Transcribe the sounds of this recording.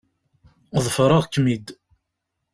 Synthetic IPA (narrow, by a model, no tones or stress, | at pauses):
ðˤfɾˤəʁkːmid̪